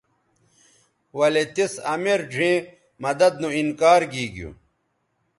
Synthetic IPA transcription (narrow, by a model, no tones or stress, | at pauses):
wɐlet̪isɐmeɾd͡ʑʱẽː | mɐd̪ɐd̪nũinkaːɾɡiːɡijṵ